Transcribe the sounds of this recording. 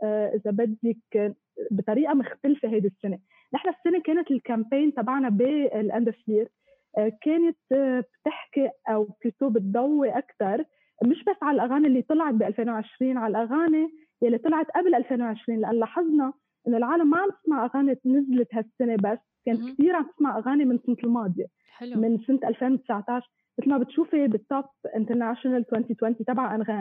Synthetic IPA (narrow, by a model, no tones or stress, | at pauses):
ʔʔɪzabad̪ːik | bɪt̪ˤɑɾiːʔamʊxt̪alfeɦajd̪ɪsːɪne | nɪħnafi̥sːɪnekeːnɪt̪ɪlkampeːjnt̪ˤɑbɑʕnabilʔand̪afliːɾ | keːnɪt̪bt̪ɪħkɪʔʔawb̚t̪ɪt̪oːbɪt̪̚d̪ˤawːeʔakt̪ɑɾˤ | mɪʃbasːʕalalʔaɣaːnelːiːt̪ˤɨlʕɑt̪̚biʔalfeːnwʕɪʃɾiːnʕalalʔaɣaːne | jalːit̪ˤɑlɑʕɑt̪ʔablʔalfeːnwʕɪʃɾiːnlʔanːlɑħɨzˤnɑ | ʔɪnːolʕaːlamːaʕamt̪ɪ̥smaʕʔaɣaːnenɪzlɪt̪ɦasːɪnebasːkeːnt̪̚kt̪iːɾʕamt̪ɪsmaʕʔaɣaːnemɪnsɪnt̪ɪlmɑːd̪ˤje | mɪnsɪnt̪ʔalfeːnwt̪ɪ̥sʕt̪ɑʕʃ | mɪt̪lmabɪt̪ʃuːfebɪt̪ːɑpʔɪnt̪əɾnaʃnalt̪wɛnt̪it̪wɛnt̪it̪abʕaʔanɣaːn